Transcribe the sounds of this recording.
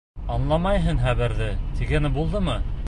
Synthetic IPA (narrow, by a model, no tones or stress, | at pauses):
ɑnlˠɑmɑjɦɤɴχæβɘ̆ɾðɘt̪ʰiɡænɘbulˠd̪ɤmɤ